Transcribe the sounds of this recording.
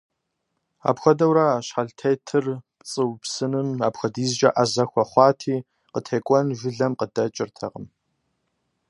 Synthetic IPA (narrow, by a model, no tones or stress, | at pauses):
a̰ːpxʷɐdɐwɾaːɕħaɮtʰejtʰɨrpʼt͡sʼɨwpsɨnɨmaːpxʷɐdiːzd͡ʒɐ̰ʔazɐxʷɐχʷɑːtʰiː | qətʰeːkʷʼɔnʒʷʊɮɐmqədɐt͡ʃʼɪrtʰɐ̰ʁəm